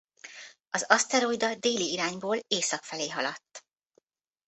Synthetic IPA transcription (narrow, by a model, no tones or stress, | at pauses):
ɒzɒst̪ɛɾojd̪ɒd̪eːliiɾaːɲboːleːsɒkfɛleːɦɒlɒt̪ː